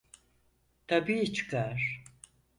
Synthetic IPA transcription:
t̪ʰabiːit͡ʃʰɨ̥kʰaɾ

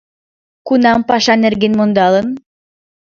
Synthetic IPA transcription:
kunɑmpɑʃɑnɘ̆ɾɡinmond̪ɑlˠɯn

